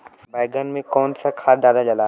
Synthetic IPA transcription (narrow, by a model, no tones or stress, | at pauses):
baɪɡənmẽkɔːnsakʰaːɾd̪aːd̪ad͡ʒɐlaː